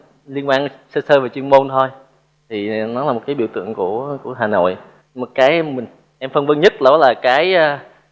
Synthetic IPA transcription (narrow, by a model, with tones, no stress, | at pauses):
li˧ənɓaː˧nsəː˧səː˧vaː˨˩t͡ɕwi˧ənmo˧nt̪ʰo˧j | t̪ʰi˨˩nɔ˨˦laː˨˩o˨˩t̚kːaː˨˦ɓḭ˧˨wt̪ɨ̰˧˨əŋku˧˩əku˧˩əɦaː˨˩no̰˧˨j | mo˨˩t̚kaː˨˦jʔɛ˧mmï˨˩ŋ̟ | ʔɛ˧mfə˧nvə˧nɲə˦˥t̚lɔ˨˦laː˨˩kaː˨˦jaː˧